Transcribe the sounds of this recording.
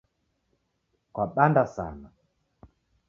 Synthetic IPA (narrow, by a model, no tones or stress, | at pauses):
kwaɓandasa̰na